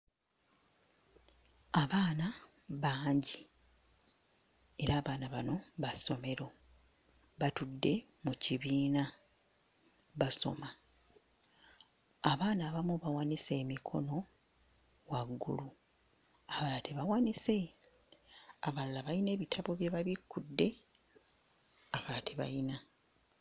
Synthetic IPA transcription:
aβaːna | βaːɲɟi | e̞ɾaːβaːnaβano̞βaso̞me̞ɾo̞ | βatudːe̞ | muciβiːna | βaso̞̰ma | aβaːnaːβamuβawanise̞ːmikʰo̞no̞ | waɡːṵlu | aβalateβawanise̞ | aβallaβajine̞ːβitʰaβo̞βje̞βaβikːudːe̞ | aβaːtʰeβa̰ina

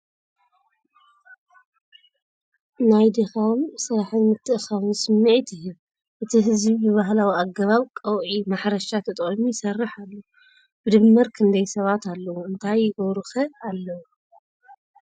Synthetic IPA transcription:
najd̪ɨxawmsɨɾaħɨnmɨt̪ʰːɨʔɨxaβusɨmːiʕit̪ʰɪjːu | ʔɨt̪ʰiɦɨzbibɨβaɦlawiaɡɐβaβkʼɐwʔimaħɾɐʃat̪ʰɨt̪ʼχʼɐmujɪsɐrːɨħalːɐwu | bɨd̪ɨmːɨɾkʰɨnd̪ɐjsɐβat̪alːɐwuɨnt̪ʰajːɪʔowɾɨxɐalːɐwu

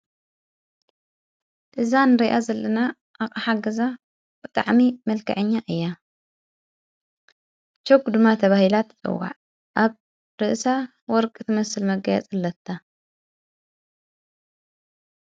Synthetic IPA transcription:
ʔɨzanɨɾiʔazɐlːɐna | ʔakʼaħaɡɐza | bɨt̪ʼa̰ʕmimɐlkʰɐ̰ʕɨɲːaʔɨjːa | t͡ʃokːd̪ɨmːat̪ʰɐβahilat̪t͡sʼɨ̰wa̰ʕ | ʔaβ | ɾɨʔsa | wɔɾkʼɨt̪ʰɨmɐsɨlmɐɡɐja̰t͡sʼɨlːɐt̪ʰːa

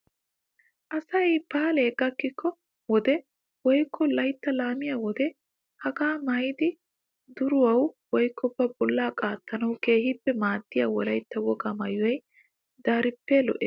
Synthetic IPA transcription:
ʔɐsɐjbaːleːɡɐkːɪkːɔ | wɔd̪ɛ | wɔjkʰːɔlɐjt̪ːɐlaːmɪjawɔd̪ɛ | hɐɡaːmɐjd̪ɪ | d̪ʊɾʊwɐwwɔjkːɔbːɐbɔlːaːkʼaːt̪ːɐnɐwke̞ːhɪpːɛmaːd̪ːɪjawɔlɐjt̪ːɐwɔɡamɐjʊwɐj | d̪aːɾɪpːɛlɔ̰ʔeː

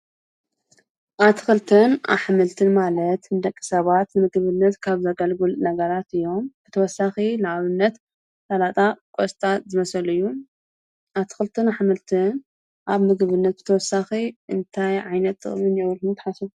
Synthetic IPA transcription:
ʔat̪ʰɨxɨlt̪ʰɨna̰βħmɨlt̪ʰɨnmalɐt̪nɨd̪ɐkʼːi̥sɐβat̪nɨmɨɡβɨnːɐt̪kʰaβzɐɡɐlɡɨlnɐɡɐɾat̪ɨjːo̞mb̥ɨt̪ʰɐwɔsːaxinɨʕaβɨnːɐt̪ | t̪alat̪ʼakʼost̪ʼazɨmɐsɐlɨjːu | ʔat̪ʰɨ̥xɨlt̪ʰɨnaħmɨlt̪ʰɨn | ʔaβmɨɡβɨnːɐt̪̚bɨ̥t̪ʰɐwɔsaxiʔɨnt̪ʰajʕajnɐt̪ːɨ̰χʼmɨnjɛwɨlhunt̪ʰħasu

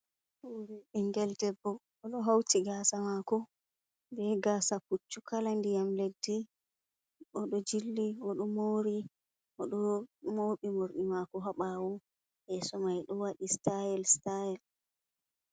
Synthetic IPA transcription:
wuɾiiŋɡɛldɛbːɔː | ɗɔɦawtiɡasamakɔ | nbɛɡasakut͡ʃːukʰalandijamledːi | ʔɔɗɔd͡ʒilːiɔɗɔmoɾi | ʔɔɗɔmoːɓimoɾɗimakɔɦaɓawɔn | ʔɛsɔmajɗɔwaɗistajɛlstajɛl

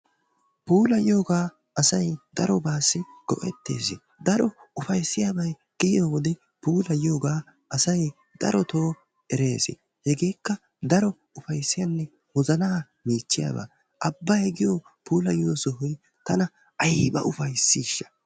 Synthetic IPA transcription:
puːlɐjo̞ːɡaː | ɐsɐjd̪̥ɐɾɔbaːsːɪɡ̥ɔʔɛt̪ːe̞̰ːsɪ | d̪ɐɾɔʊfɐjsːɪjaːbɐj | ɡ̥ɪjoːwɔd̪ɛ | puːlɐjo̞ːɡaː | ɐsɐj | d̪̥ɐ̰ɾɔt̪o̞ː | ɛɾe̞ːsɪ̰ | hɛɡe̞ːkːɐ | d̪ɐɾɔ | ʊfɐjsːɪjɐnːɛ | wɔzɐnaː | miːt͡ʃːɪja̰ba̰ː | ʔɐbːɐjɡɪjo | puːlɐjoːsɔɦʊj | t̪ɐnɐ | ʔɐjbɐ̰ʔʊfɐjsːiːʃːɐ̥

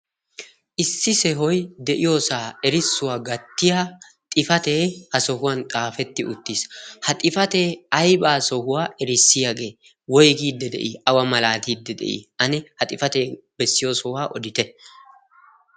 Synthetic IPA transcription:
ʔɪsːɪsɛɦɔjd̪ɛʔɪjoːsaːɛɾɪsːʊwaːɡɐt̪ːɪja | t̪ʼɪfɐt̪e̞ːhɐsɔhʊwɐnt̪ʼaːfɛt̪ːɪʔʊt̪ːiːshɐt̪ʼɪfɐt̪e̞ːɐjbaːsɔhʊwaːʔɛɾɪsːɪjaɡe̞ː | wɔjɡiːd̪ːɛd̪ɛ̰ʔiʔɐwɐmɐlaːt̪iːd̪ːɛd̪ɛ̰ʔḭːɐnɛhɐt̪ʼɪfɐt̪e̞ː | bɛsːɪjo̞ːsɔwaːʔɔd̪ɪt̪ɛ

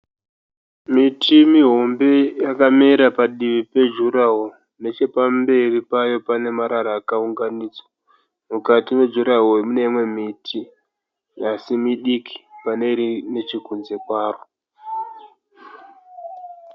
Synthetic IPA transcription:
mitʰimiɦo̞mbe̞jakamiɾapaɗiʋipe̞d͡ʒuɾaɦo | ne̞t͡ʃe̞pambe̞ripajo̞pane̞maɾaɾaːkauŋɡaniːd͡zwḁ | mukatiwe̞d͡ʒuɾaɦoemune̞imwe̞mitʰi | asimiɗiki̥pane̞ɾine̞t͡ʃikunze̞kwaːro

